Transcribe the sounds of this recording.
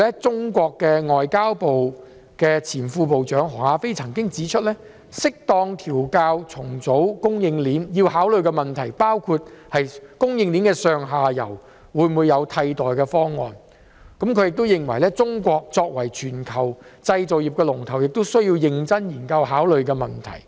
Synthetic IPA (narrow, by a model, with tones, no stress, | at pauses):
lɛ˥t͡sʊ˥ŋkʷɔː˧kːɛː˧ŋɔː˨jkaː˥wpo˨w | kɛː˧t͡sʰiː˨˩nfuː˧p̬o˨wt͡ʃœː˨˥ŋɦɔː˨˩ŋaː˧fe˥jt͡sʰɐ˨˩ŋkɪ˥ŋt͡siː˨˥t͡ʃʰɵ˥t̚lɛː˥ | sɪ˥k̚t̪ɔː˧ŋt̪ʰiː˨˩wkaː˧wt͡sʰʊ˨˩ŋt͡so˨˥wkʊ˥ŋjɪ˧ŋliː˨˥njiː˧whaː˨˥wlɵ˨ɥkɛː˧mɐ˨nt̪ʰɐ˨˩jpaː˥wkʰu˧t̚hɐ˨jkʊ˥ŋjɪ˧ŋliː˨˥nkɛː˧sœː˨˧ŋɦaː˨jɐ̰˨˩w | wuː˨˧˥jmuː˨˧jːɐ˨˧wt̪ʰɐ˧jt̪ɔː˨˩jkɛː˧fɔː˥ŋːɔ̰ː˨n | kɐ˨˥mkʰɵ˨˧jɪ˨k̚t̪o˥wjɪ˨ŋwɐ˨˩jlɛː˥t͡sʊ˥ŋkʷɔː˧k̚t͡sɔː˧k̚wɐ˨˩jt͡ʃʰyː˨˩nkʰɐ˨˩wt͡sɐ˧jt͡so˨wjiː˨p̚kɛː˧lʊ˨˩ŋt̪ʰɐ˨˩wjɪ˨k̚t̪o˥wsɵ˥ɥjiː˧wjɪ˧ŋt͡sɐ˥njiː˨˩nkɐ˧wɦaː˨˥wlɵ˨ɥkɛː˧mɐ˨nt̪ʰɐ̰˨˩j